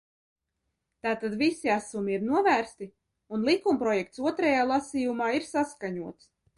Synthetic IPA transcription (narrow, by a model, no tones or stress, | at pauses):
t̪aːt̪ad̪visiasumiiɾnuɔvæːɾst̪i | unlˠikumpɾɔjɛk̚t̪suɔt̪ɾɛjaːlˠasiːjumaːiɾsaskaɲuɔt̪s